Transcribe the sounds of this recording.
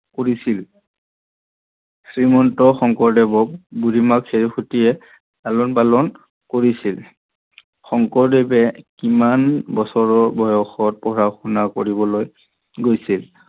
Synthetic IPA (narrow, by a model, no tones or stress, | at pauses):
koɹisil | sɹimɔntɔxɔŋkɔɹdɛbɔk̚budimakseɹixutijɛ | dalɔnpalɔn | koɹisil | xɔŋkɔɹdebɛkimanbɔsɔɹɔbɔjɔxɔt̚pɔɹaxunakoɹibɔloj | ɡojsil